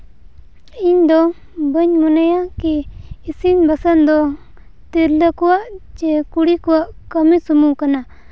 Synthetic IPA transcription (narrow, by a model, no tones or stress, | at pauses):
iɲd̪ɔ | bəɲmunajakiːsinbasand̪ɔ | t̪iɾləkuwaʔt͡ʃɛkuɽikuwaʔkəmisumukana